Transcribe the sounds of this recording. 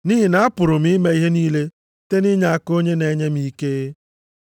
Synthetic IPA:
niː˦ɦi˨na˨a˦pʊ˨ɾʊ˨m̩i˦me˦i˦ɦe˦niː˦le˦ | te˦ni˦ɲa˨a˦ko˦ɲe˦ne˨˦ɲe˦mi˦ke˦

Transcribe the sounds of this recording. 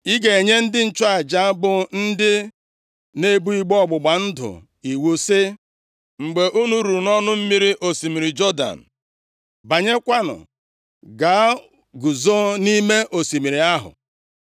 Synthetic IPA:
i˦ɡe˨e˨ɲe˦n̩˦dɪ˦n̩˨t͡ʃʊ˦a˨d͡ʒa˦a˦bʊ˨n̩˦dɪ˦ | ne˦bu˦i˦ɡ͡bɔ˦ɡ͡bʊ˨ɡ͡ba˨n̩˦dʊ̰˨ | i˨wo˦se˦ | ŋ͡m̩˨ɡ͡be˨ʔu˦nu˨ɾu˨nɔ˦nʊ˦m̩˦mi˦ɾi˦ʔo˨si˨mi˨ɾi˨d͡ʒɔ˦da̰˨n̩˨ | ba˨ɲe˦kʷa˦nʊ̰˨ | ɡa˨˦ | ɡu˨zo˦ni˦me˦ʔo˨si˨mi˨ɾi˨a˦ɦʊ̰˨

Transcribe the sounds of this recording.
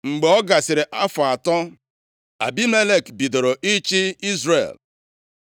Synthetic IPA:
ŋ͡m̩˨ɡ͡be˨ɔ˦ɡa˨sɪ˨ɾe˨ʔa˦fʊ˨a˨tɔ˦ | a˨bi˦me˦le˦˨kbi˨do˨ɾo˨ʔi˦t͡ʃi˦i˦zɾḛ˨l

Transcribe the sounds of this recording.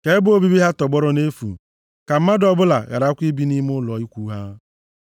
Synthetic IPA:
ke˨˦bʊ˦o˦˨bi˦bi˦ɦa˦tɔ˨ɡ͡bɔ˦ɾɔ˦ne˦fṵ˨ | ka˨m̩˦ma˦dɔ˨bʊ˦la̰˨ɣa̰˨ɾa˨˦kʷi˦bi˦ni˦m˦ʊ˦lɔ˨˦i˦kʷu˦ɦa˦

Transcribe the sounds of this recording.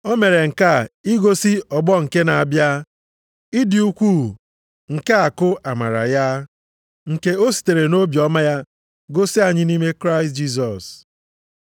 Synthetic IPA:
o˦me˨ɾe˨ŋ̩˨ka˦˨i˦ɡo˦si˦ɔ˨ɡ͡bɔ˦ŋ̩˨ke˦na˨a˨bja˦ | i˦di˨u˦kʷu˦˨ | ŋ̩˨ke˦a˨kʊ˦a˨ma̰˨ɾa̰˨ja˦ | ŋ̩˨ke˦o˦si̥˨te˨ɾe˨no˦bjɔ˦ma˦ja˦ | ɡo˦si˦a˨ɲɪ˦ni˦me˦kɾa˦ɪ˨st̚d͡ʒi˦s̬ɔ˨s

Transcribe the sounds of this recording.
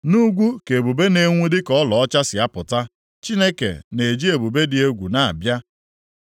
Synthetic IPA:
nu˦ɡʷu˦ke˨bu˨be˦ne˦ŋʷu˦dɪ˦kɔ˦lɔ˨ɔ˦t͡ʃa˦sɪ˨a˦pʊ˨ta˦ | t͡ʃi˦ne˦kḛ˨ne˨d͡ʒi˦e˨bu˨be˦dɪ˨e˦ɡʷu˨na˨a̰˨bja˦

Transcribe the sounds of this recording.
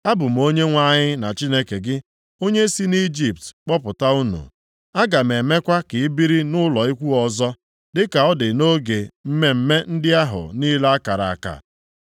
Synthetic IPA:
a˦bʊ˨m̩˦o˦ɲe˦ŋʷa˦˨ɲɪ˦na˨t͡ʃi˦ne˦ke˨ɡɪ˦ | o˦ɲe˦si˦ni˦d͡ʒi˨p̚tk͡pɔ˦pʊ˨ta˦u˦nṵ˨ | a˦ɡa˨m̩˨e˨me˦kʷa˦kɪ˨ɪ˦bi˦ɾi˦nʊ˦lɔ˨i˦kʷu˦ɔ˨zɔ˦ | dɪ˦ka˨ɔ˦dɪ˨no˦ɡe˨m̩˦me˦m̩˦me˦n̩˦dɪ˦a˦ɦʊ̰˨niː˦la˦a˦ka˨ɾa̰˨a˨ka̰˨

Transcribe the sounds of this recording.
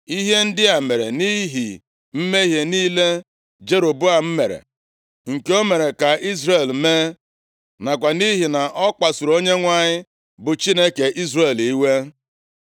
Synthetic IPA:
i˦ɦe˦n̩˦dɪ˦a˨me˨ɾḛ˨ni˦ɦḭ˨ | m̩˦me˦i˦ɦe˨niː˦le˦ | d͡ʒe˦ɾo˨bʊ˦a˨m̩˦me˨ɾḛ˨ | ŋ̩˨ke˦o˦me˨ɾe˨ka˨i˦zre˨lme˦ | na˨kʷa˨ni˦ɦi˨na˨ʔɔ˦k͡pa˨su˨ɾo˦ɲe˦ŋʷa˨ɲɪ˦ | bʊ˨t͡ʃi˦ne˦ke˨ʔi˦zre˨li˦we˦

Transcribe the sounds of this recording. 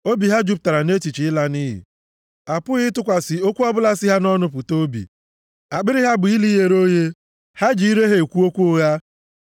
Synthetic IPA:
o˦bi˨ɦa˦d͡ʒu˦p̬ʊ˨ta˨ɾa˨ne˦t͡ʃi˨t͡ʃi˨ɪ˦la˦ni˦ɦɪ̰˨ | a˨pʊ˦ɣɪ˦tʊ˦kʷa˨sɪ˨o˦kʷu˦ɔ˦bʊ˦la˦sɪ˦ɦa˦nɔ˦nʊ˦p̬ʊ˨to˦bḭ˨ | a˨ɡ͡bɪ˦ɾɪ˦ɦa˦bʊ˨i˦li˦je˨ɾo˦je˦ | ha˦d͡ʒi˨˦i˦ɾe˦ɦe˨kʷu˦o˦kʷu˦ʊ˦ɣa˦

